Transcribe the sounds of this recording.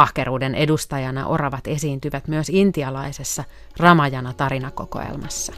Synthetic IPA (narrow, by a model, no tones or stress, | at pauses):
ɑhkeɾuːdenʔedust̪ɑjɑnɑ̰ʔo̞̰rɑʋɑt̪e̞siːnt̪yʋæt̪myøsint̪iɑlɑise̞sːɑ | rɑmɑjɑnɑt̪ɑɾinɑko̞ko̞̰ḛlmɑsːɑ̥